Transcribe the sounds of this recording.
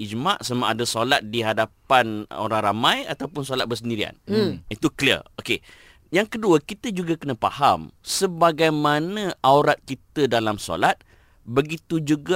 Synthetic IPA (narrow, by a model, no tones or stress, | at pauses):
id͡ʒmaʔsəmaʔadasolat̪̚diɦadapano̰ɾaŋɾamãja̰t̪awpʊnsolat̪̚bəs̬əndiɾia̰nit̪ukliə̰oke | jaŋkəduəkit̪əd͡ʒuɡakənə̃pa̰hamsəbaɡajmanə̃ʔawɾat̪̚kit̪ədalamso̰lat̪̚ | bəɡit̪ud͡ʒuɡa